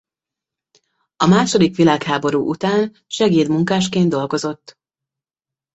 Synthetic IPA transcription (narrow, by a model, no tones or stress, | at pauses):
ɒmaːʃo̞d̪ikʋilaːkhaːbo̞ɾuːʔut̪aːn | ʃɛɡeːd̪muŋkaːʃkeːnd̪o̞lɡo̞zo̞t̪ː